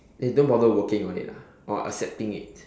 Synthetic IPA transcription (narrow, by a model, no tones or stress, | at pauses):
dedõnbɔdowəkɪ̃ŋɔ̃nḭta | ʔɔa̰sɛp̚tɪ̃ŋɪ̰t̚